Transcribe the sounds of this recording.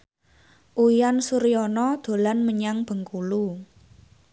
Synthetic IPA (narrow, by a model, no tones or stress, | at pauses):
ʔuijansuɾiɔnɔd̪̥o̤lanməɲaŋb̥ə̤ŋkulu